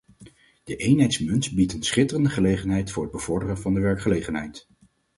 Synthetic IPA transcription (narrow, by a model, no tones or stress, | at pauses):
d̥əʔejnɦɛjtsmɵnsbitənsχɪtərəndəχəlejχənɦɛjtfʊːɹɦəd̚bəv̥ɔɹdərənvɑndəʋɛɹkχəlejχənɦɛjt